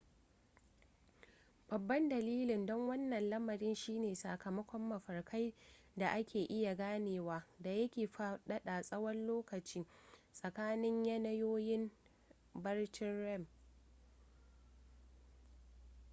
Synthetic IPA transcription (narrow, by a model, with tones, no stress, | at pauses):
b̥ɐ˨bːɐ˦ndɐ˨liː˦lɪ˨ndɔ˦ŋwɐ˦nːɐ˨nlɐ˦mɐ˨ɾɪ˦nʃiː˦neː˨sa˨kɐ˨mɐ˦kʷɔ˦mːɐ˨ɸɐ˨rkʰa˦j | da˨ʔa˦kʲʰeː˨ʔɪ˦ja˨ɡaː˦neː˨waː˦da˨jɐ˦kʲeː˨ɸa˦ɗɐ˦ɗa˨sʼɐ˦wɐ˦nloː˦kɐ˨t͡ʃiː˦sʼɐ˨kaː˦nɪ˦ɲjɐ˦nɐ˦joː˦jɪ˦m | bɐ˦rt͡ʃɪ˦nɽɛ˦˨m